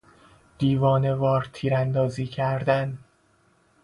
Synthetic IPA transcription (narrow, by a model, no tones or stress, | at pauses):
d̪̥iːvɒːne̞vɒːɾt̪ʰiːɾænd̪ɒːziːcʰæɾd̪æn